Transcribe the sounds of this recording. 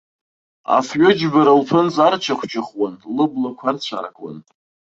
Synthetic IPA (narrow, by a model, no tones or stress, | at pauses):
a̰fɥʊd͡ʒbaɾalpʰɨnt͡sʼart͡ʃʰaχʷʰt͡ʃʰʼaχwanlɨblakʷʰart͡ɕʷʰa̰ra̰kʼwa̰n